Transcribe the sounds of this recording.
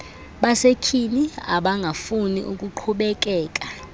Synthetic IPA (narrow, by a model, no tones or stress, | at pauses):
ɓasekʰinia̰ɓaŋɡʱafunḭʔukʼuǃʰuɓɛk̬ʼɛːk̬ʼa